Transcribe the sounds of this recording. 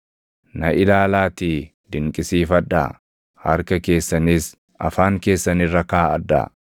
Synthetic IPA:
nɐʔɪlaːlaːt̪iː | d̪ɪŋkʼɪsiːfɐd̪ːa̰ | hɐ̰ɾkɐke̞ːsːɐniːs | ʔɐ̰faːŋke̞ːsːɐnɪrːɐkaːɐd̪ːa̰

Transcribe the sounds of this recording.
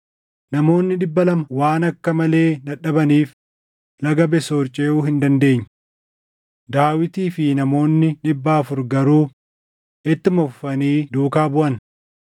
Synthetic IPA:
nɐmo̞ːnːɪᶑɪbːɐlɐmɐwaːnɐkːɐmɐle̞ːd̪ɐᶑɐbɐniːf | lɐɡɐbɛsoːɾt͡ʃʼeːʔuːhɪnd̪ɐnd̪e̞ːɲːɐ | d̪aːwɪt̪iːfɪnɐmo̞ːnːɪᶑɪbːaːfʊɾɡɐɾuː | ʔɪt̪ːɪmɔfːɐniːd̪uːkaːbʊʔɐn

